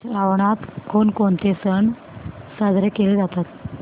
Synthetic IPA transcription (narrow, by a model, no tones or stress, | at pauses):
ɾaʋɳat̪konkont̪esəɳ | sad͡zʱɾekeled͡zat̪at̪